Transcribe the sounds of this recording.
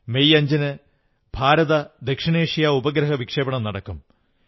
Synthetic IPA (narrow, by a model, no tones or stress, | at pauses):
mejɐɲd͡ʑɐnɨ | bʱaːɾɐðɐd̪ekʂiɳeːʂijaubɐɡɾɐɦɐʋikʂeːbɐɳɐmnɐɽɐkːum